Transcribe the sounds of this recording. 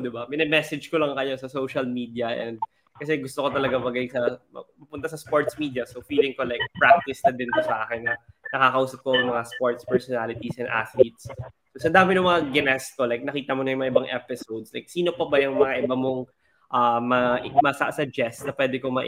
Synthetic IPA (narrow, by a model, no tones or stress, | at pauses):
d̪ɪbapɪnɛmɛsɛd͡ʒkolɐŋkɐjo̞sɐsowʃɐlmiːd̪ijɐʔɛ̰nd̪̚ | kɐs̬ɛɡʊst̪oko̞t̪ɐlɐɡamɐɡajsɐmɐ̰ɐpʊnt̪asɐspoɹt̪smiːd̪jɐsofiːlɪŋkolajk̚pɹak̚t̪ɪsnɐd̪ɪnk̪osɐʔaːkɛnːɐnɐkaːkɐʔuːsɐp̚koɐŋmɐŋaspoɹt̪spɛɹsɔnalɪt̪isʔɛnd̪ʔa̰slit̪̚s | sosɐd̪aːmɪnʊŋmɐŋaɡɪnɛst̪olajk̚nɐkiːt̪ɐmonɐjʊŋmɐŋaʔɪbaŋʔɛpɪsowd̪slajk̚siːno̞pɐbɐjʊŋmɐŋaʔɪbɐmoŋ | ʔɐmɐʔmɐsɐsɐd͡ʒɛst̪nɐpwɛːd̪ɛkomɐʔ